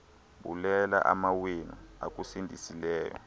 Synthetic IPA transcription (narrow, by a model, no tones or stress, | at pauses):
ɓulɛla̰ʔamawina̰ak̬ʼusindʱisilɛːjɔ̰